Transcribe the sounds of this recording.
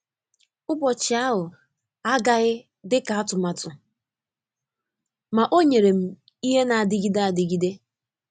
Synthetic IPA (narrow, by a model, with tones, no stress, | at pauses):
ʊ˦bɔ˨t͡ʃɪ˨a˦ɦʊ˨ | a˦ɡa˨ɣɪ˦ | dɪ˦ka˨a˦tʊ˨ma˨tʊ˨ | ma˨ʔo˦ɲe˨ɾe˨m̩˨ | i˦ɦe˦na˨a˨dɪ˨ɡi˦de˦a˨dɪ˨ɡi˦de˦